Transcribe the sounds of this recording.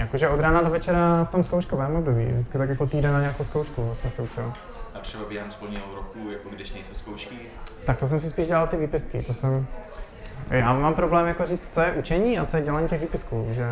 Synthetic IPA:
jakoʒɛʔod̪ɾaːnadovɛt͡ʃɛɾaft̪omskowʃkovɛːmobdobḭːvdɪt͡skɪt̪akjakot̪iːdɛnnaɲɛakowskowʃkuosɛmsɪut͡ʃɪl | at̪r̥ɛbabjɛɦɛmspolɲiɦoɾokujakoɡdɪʃnɛjsowskowʃkɪ | t̪ak̚t̪os̬ɛmsɪspiːʒɟɛlalt̪ɪviːpɪskɪ̰t̪osɛm | jaːmampɾoblɛːmjakoriːt͡st͡sojɛʔut͡ʃɛɲiːat͡sojɛɟɛlaɲiːcɛɣviːpɪskuːʒɛ

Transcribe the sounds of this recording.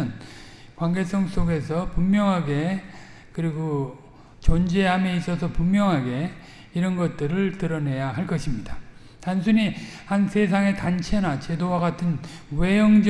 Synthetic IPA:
ɯn | kwaŋɡe̞s͈ʰʌŋs͈oɡe̞sʰʌpumːjʌŋɦaɡe̞ | kɯɾiɡo | t͡ɕond͡ʑe̞ɦame̞is͈ʌsʰʌpummjʌŋɦaɡe̞ | iɾʌnɡʌt̚t͈ɯɾɯɭtɯɾʌne̞jaɦaɭk͈ʌɕʰimɲida | tans̬ʰuɲihansʰe̞s̬ʰaŋe̞tant͡ɕʰe̞nat͡ɕe̞dowaɡatʰɯnwe̞jʌŋd͡ʑ

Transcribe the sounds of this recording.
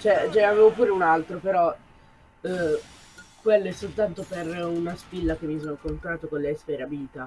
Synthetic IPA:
t͡ʃoɛt͡ʃɛaveːvopuːɾeunalt̪ɾopeɾɔ | kwelːoɛsːolt̪ant̪operunaspilːak̟emːis̬oːnokont̪ɾaːt̪okonleɛsfeɾabiːt̪a

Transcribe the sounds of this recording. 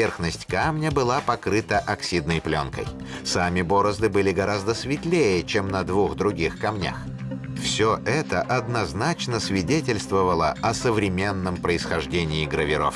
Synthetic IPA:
erxnəsʲtʲkamnʲəbɨlˠapɐkɾɨt̪əʔɐksʲid̪nəjplʲo̰nkə̰j | samʲɪbo̞ɾəzd̪ɨbɨlʲɪɡɐɾʔazd̪əsvʲɪt̪lʲejət͡ɕemnəd̪vuxd̪ɾʊɡʲixkɐmnʲa̰x | fsʲoʔɛt̪əʔɐd̪nɐznat͡ɕnəsvʲɪdʲetʲɪlʲst̪vəvəlˠəɐsəvɾʲɪmʲe̞nːəmpɾəɪsxɐʐdʲenʲɪːɡɾəvʲɪɾo̰f

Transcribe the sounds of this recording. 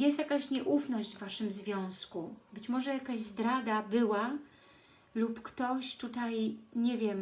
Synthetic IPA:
jɛst̪jakaɕɲɛʔufnɔʑd͡ʑvːaʂɘmzvʲjɔ̃w̃skubɘt͡ɕmɔʐɛjakaʑzd̪ɾad̪abɘwa | lupkt̪ɔɕt̪ut̪ajɲɛvʲjɛm

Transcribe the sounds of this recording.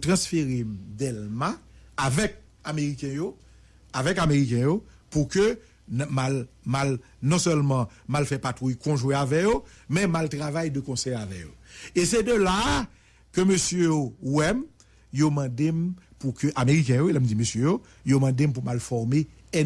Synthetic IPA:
tʁɑ̃sfeʁemd̪ɛlmaːvɛk̚ | ameʁikɛ̃jo | avɛkameʁikɛ̃jo | pukø | malmal | nɔ̃sœlmɑ̃ | malfɛpatʁujkɔ̃ʒwɛ̃avɛjomɛ̃maltʁavajdəkɔ̃sɛjavɛjo̰esɛd̪øla | kømøsjøjowɛm | jomɑ̃d̪empukøʔameʁik̬ɛ̃joelɛm̩d͡zimøsjøjo | jomɑ̃dem̩p̬umalfɔʁme | ɛ

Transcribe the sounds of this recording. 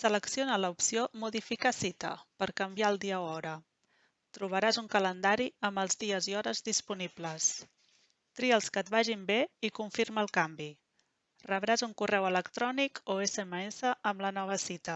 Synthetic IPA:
sələksionələupsiomuðifikasit̪ə̰pəɾkəmbjaəlˠd̪iəoɔɾə | t̪ɾuβ̞əɾazuŋkələnd̪aɾiəmbəlˠzðiəziɔɾəzðispunibləs | t̪ɾiəlˠskət̪̚βaʒimbeikuɱfiɾməːlˠkambi | rəβɾazuŋkurɛwələkt̪ɾɔnikoesəeməesəəmlənɔβ̞əsit̪ə

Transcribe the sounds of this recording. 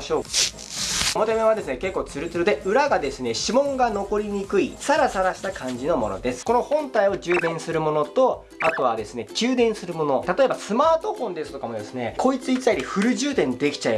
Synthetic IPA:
ɕo̞ː | mot̪ame̞β̞ad̪e̞sɨne̞ke̞kːo̞ːt͡sɨɾɯ̟t͡sɨɾɯd̪eɯ̟ɾaɡad̪e̞sɨne̞ɕimõ̞ŋɡano̞ko̞ɾʲiɲ̟ikɯ̟isaɾasaɾaɕi̥t̪akʰãɲ̟d͡ʑino̞mo̞no̞̰d̪e̞sɨ̥ko̞no̞hõ̞nt̪aio̞ʑɨːd̪ẽ̞ɰ̃sɨɾɯ̟mo̞no̞t̪o̞ | at̪o̞βad̪e̞sɨne̞kʲɨːd̪ẽ̞ɰ̃sɨɾɯ̟mo̞no̞t̪at̪o̞e̞basɨmaːt̪o̞ɸõ̞nd̪esɨ̥t̪o̞kamo̞d̪e̞sɨne̞kʰo̞it͡sɨi̥aiɾʲeɸɯ̟ɾɯ̟ʑɨːt̪ẽ̞nd̪e̞kʲi̥t͡ɕae

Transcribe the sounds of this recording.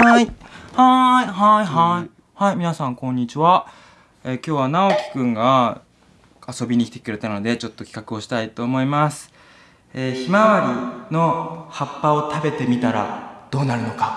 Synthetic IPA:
aihaiɦaiɦai | haimʲinasãŋkõ̞ɲ̟ːit͡ɕiβa | eːkʲo̞ːβanao̞kʲi̥kɯ̟̃ŋɡa | aso̞bʲiɲ̟ikʲi̥t̪e̥kɯ̟ɾe̞t̪ano̞d̪e̞t͡ɕo̞t̪ːo̞kʲi̥kakɯ̟o̞ɕi̥t̪ait̪o̞ːmo̞imasɨ̥ | eːçimaβaɾʲino̞hapːao̞t̪abe̞t̪e̞mʲit̪aɾa̰d̪̥o̞ːnaɾɯ̟no̞ka

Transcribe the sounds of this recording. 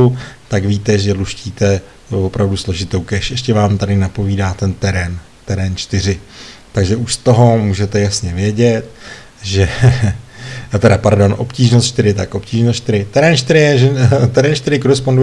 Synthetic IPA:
ut̪akviːt̪ɛʒɛluʃciːt̪ɛ | vo̞pɾavduslo̞ʒɪt̪o̞wkɛʃʔɛʃcɛvaːmt̪adɪnapo̞viːdaːt̪ɛnt̪ɛɾɛn | t̪ɛɾɛːnt͡ʃt̪ɪɾ̝ɪt̪aɡʒɛʔuʃst̪o̞ɦo̞muːʒɛt̪ɛjasɲɛvjɛɟɛt̪̚ | ʒɛ | t̪ɛɾapaɾdo̞nʔo̞pciːʒnost̪t͡ʃt̪ɪɾɪt̪akʔo̞pciːʒnost̪t͡ʃt̪ɪɾɪt̪ɛɾɛːnt͡ʃt̪ɪɾɪjɛʒɛt̪ɛɾɛːnt͡ʃt̪ɪɾɪko̞ɾɛspondu

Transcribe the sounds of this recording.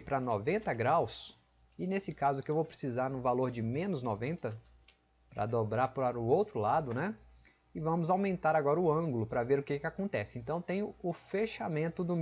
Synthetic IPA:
pɾɐnɔvẽnt̪ɐɡɾaws | ɪnesɪkazʊkɪewvowpɾɪsizaɾnʊvaloɾd͡ʒɪmẽnʊznɔvẽnt̪ɐ | pɾɐ̰d̪obɾaɾpɾaɾʊowt̪ɾʊlad̪ʊnɛ | ɪvɐ̃mʊzawmẽnt̪aɾaɡɔɾɐʊɐ̃ɡʊlʊpɾɐveɾʊkekɪakõnt̪ɛsɪẽnt̪ɐ̃w̃t̪ẽj̃ʊʊfeʃamẽnt̪ʊd̪ʊm

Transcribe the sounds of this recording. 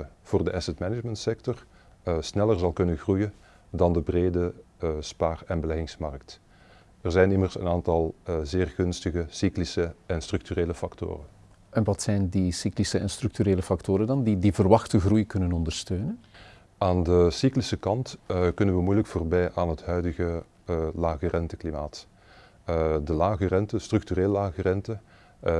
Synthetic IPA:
v̥oːrdəʔɛsɛtmɛnɪd͡ʒməntsɛk̚tɔr | snɛlərzɑlˠkɵnənɣrujən | dɑndəbreːdəspaːrɛnbəlɛɣɪŋsmɑ̰rk̚t | ɛrzɛjnɪmərsənaːntɑlˠzeːrɣɵnstəɣəsiklisəɛnstrʏk̚tyreːləfɑkto̰ːrən | ʔɛnʋɑtsɛjndisiklisəɛnst̪rʏktyɾeːləfɑktoːɾəndɑndidivərʋɑxtəɣrujkɵnənɔndərstøːnən | aːndəsiklisəkɑntkɵnənʋəmujləkfoːrbɛjʔaːnɦətɦœɥdəɣə | laːɣərɛntəklimaːt | dəlaːɣərɛntəstrʏk̚tyɾeːləlaːɣərɛntə

